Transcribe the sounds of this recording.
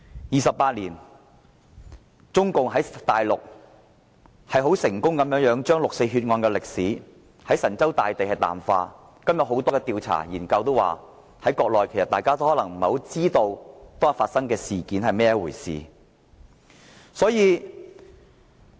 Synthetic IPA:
jiː˨sɐ˨p̚ːaː˧t̚liː˨˩n | t͡ʃʊ˥ŋkʊ˨ŋɦɐ˨˥jt̪aː˨jlʊ˨k̚ | hɐ˨jɦo˨˥wsɪ˨˩ŋkʊ˥ŋkɐ˨˥mjœː˨˥ŋjœː˨˥ŋt͡ʃœː˥ŋlʊ˨k̚se˧jɦyː˧t̚ŋɔː˧nkɛː˧lɪ˨k̚siː˨˥ | hɐ˨˥jsɐ˨˩nt͡sɐ˥wt̪aː˨jt̪e˨jhɐ˨jt̪a̰ː˨˩mfaː˧ | kɐ˥mjɐ˨t̚ho˨˥wt̪ɔː˥kɛː˧t̪iː˧wt͡sʰa̰ː˨˩jiː˨˩nkɐ˧wt̪o˥wa̰ː˨ | hɐ˨˥jkɔː˧k̚lɔː˨jkʰe˨˩sɐ˨t̪aː˨jkaː˥t̪o˥whɔː˨˥lɐ˨˩ŋm̩˨˩ho˨˥wt͡siː˥t̪o˧wt̪oɔː˥˨˩faː˧t̚sɐ˥ŋkɛː˧siː˨˩kiː˨˥nhɐ˨jmɛː˥ɛ˨wuː˨˩jsḭː˨ | sɔː˨˥jiː˨˧

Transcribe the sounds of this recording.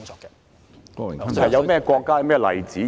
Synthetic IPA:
ŋt͡sɔː˨˧kːɛ˧ | kɔː˧lɛ̰˨˩˨jɐ˨˧wmɛː˥kʷɔː˧kːaː˥jɐ˨˧wmɛː˥˩lɐ̰˨jt͡siː˨˥

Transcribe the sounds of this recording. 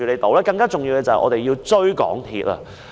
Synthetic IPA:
yː˨le˨˧jt̪o˨˧wlɛː˥kɐ˧ŋkaː˥t͡sʊ˨ŋjiː˧wkɛː˧t͡sɐ˨hɛ̰˨˩ʔɔ̰˨˧t̪e˨jiː˧wt͡ʃɵ˥ɥkɔ̰ː˨˥ŋt̪ʰḭː˧t̚ɐ̰˧

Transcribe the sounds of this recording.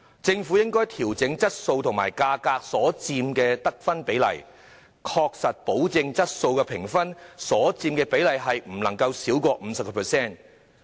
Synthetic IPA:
t͡sɪ˧ŋfu˨˥jɪ˥ŋkɔː˥jt̪ʰiː˨˩wt͡sɪ˨˥ŋt͡sɐ˥t̚so˧wt̪ʰʊ˨˩ŋma̰ː˨˩jkaː˧kaː˧k̚sɔː˨˥t͡siː˧mkɛː˧t̪ɐ˥k̚fɐ˥npe˨˥jlɐ̰˨˩j | kʰɔː˧k̚sɐ˨t̚po˨˥wt͡sɪ˧ŋt͡sɐ˥t̚so˧wkɛː˧pʰɪ˨˩ŋfɐ˥nsɔː˨˥t͡siː˧mkɛː˧pe˨˥jlɐ˨jɦɐ˨jm̩˨˩lɐ˨˩ŋkɐ˧wsiː˨˥wkʷɔː˧m̩ː˨˧˦sɐ˨p̚kɔː˧pʰɛ˨˩sɛː˥˩n

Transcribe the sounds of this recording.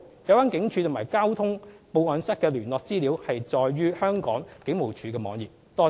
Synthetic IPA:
jɐ˨˧waː˥nkɪ˨˥ŋt͡ʃʰyː˨˧t̪ʰmaː˨˩jkaː˥wt̪ʰʊ˥ŋpo˨˧wɔː˨˧nsɐ˥t̚kɛː˧lyː˨˩nlɔː˨k̚t͡siː˥liː˨˥whɐ˨jt͡sɔː˨jɥyː˥hœː˥ŋkɔː˨˥ŋkɪ˨˥ŋmo˨˩wt͡ʃʰyː˨˥kɛː˧mɔː˨˧ŋjiː˨˩p̚t̪ɔː˥

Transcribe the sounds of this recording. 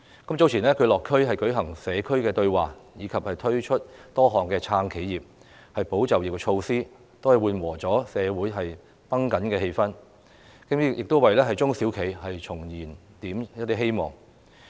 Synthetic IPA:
kɐ˨˥mt͡so˨˥wt͡sʰiː˨˩nɛː˥kʰɵ˨˧ɥlɔː˨kʰːɵ˥ɥɦɐ˨jkɵ˨˥ɥɦɐ˨˩ŋsɛː˨˧kʰɵ˥ɥkɛː˧t̪ɵ˧ɥwaː˨jiː˨˧kʰɐ˨p̚hɐ˨jt̪ʰɵ˥ɥt͡ʃʰɵ˥t̚t̪ɔː˥ɦɔː˨ŋkɛː˧t͡sʰaː˧ŋkʰe˨˥jjiː˨˩p̚ | hɐ˨jpo˨˥wt͡sɐ˨wjiː˨˩kɛ˧t͡ʃʰo˧wsiː˥ | t̪o˥whɐ˨jwuː˨nwɔː˨˩t͡sɔː˨˥sɛː˨˧wuː˨˥jɦɐ˨j | pɐ˥ŋkɐ˨˥nkɛː˧he˧jfɐ˥n | kɪ˥m̚˥jɪ˨k̚t̪wɐ˨jlɛː˥ɦɐ˨jt͡sʊ˥ŋsiː˨˥wkʰe˨˩jhɐ˨jt͡sʰʊ˨˩ŋjiː˨˩n | t̪iː˨˥mjɐ˥t̪ːi˥ɦe˥jmɔ̰ː˨˩ŋ

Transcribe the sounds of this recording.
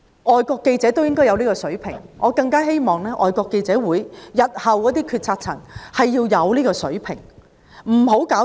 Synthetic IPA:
ʔɔː˨jkʷɔː˧kːe˧jt͡sɛː˨˥t̪o˥wjɪ˥ŋkɔː˥jɐ˧wniː˥kɔː˧sɵ˨˥ɥpʰɪ˨˩ŋŋʔɔː˨˧kɐ˧ŋkaː˥ɦe˥jmɔː˨ŋlɛː˥ʔɔː˨jkʷɔː˧kːe˧jt͡sɛː˨˥wuː˨˥jjɐ˨t̚hɐ˨wkɔː˨˥t̪̬iː˥kʰyː˧t̚t͡sʰaː˧t̚t͡sʰɐ˨˩ŋhɐ˨jːiː˧wjɐ˨˧wliː˥kɔː˧sɵ˨˥ɥpʰɪ̰˨˩ŋ | m̩˨˩ɦo˨˥wkaː˨˥

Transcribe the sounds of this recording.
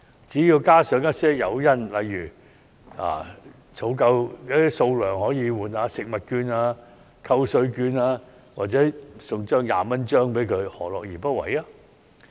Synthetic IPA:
t͡siː˨˥jiː˧wkaː˥sœː˨˥ŋjɐ˥t̚sɛː˥jɐ˨˧wjɐ˥˩nlɐ̰˨jːyː˨˩ | a̰ː˨ | t͡sʰo˨˥wkɐ˧wjaː˥i˥so˧wlœː˨˩ŋhɔː˨˥jiː˨˧wuː˨˩nhaː˨˧sɪ˨k̚mɐ˨t̚kyː˧naː˧ | kʰɐ˧wsɵ˧ɥkyː˧naː˧ | waː˨t̚t͡sɛː˨˥sʊ˨˩ŋt͡ʃœː˥ŋja̰ː˨mɐ˥nt͡ʃœː˥ŋpe˨˥jkʰɵ˨˧ɥhɔ̰ː˨˩lɔ̰ː˨k̚jiː˨˩pɐ˥t̚wɐ̰˨˥jaː˥

